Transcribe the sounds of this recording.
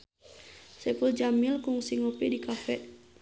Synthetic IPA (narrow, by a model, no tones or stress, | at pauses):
sɛpuld͡ʒamilkuŋsiŋopidikafɛʔ